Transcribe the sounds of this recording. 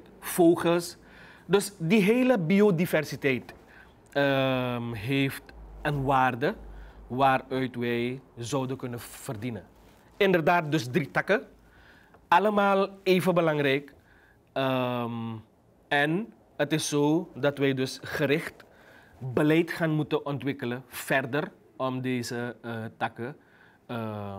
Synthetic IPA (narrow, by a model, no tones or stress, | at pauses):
foːχəls | dɵsdiɦeːləbiodivɛrsitɛjt | əmɦeːftənʋaːrdəʋaːrœɥtʋɛjzɔwdəkɵnəv̥ərdinə | ɪndərdaːt̚dɵsdritɑkə | ɑləmaːlˠeːvənbəlɑŋrɛjk | əm | ɛn | ətɪsːoːdɑtʋɛjdɵsχəɾɪχt | bəlɛjtχaːnmutəʔɔntʋɪkələfɛrdər | ɔmdeːzəətɑkə | ə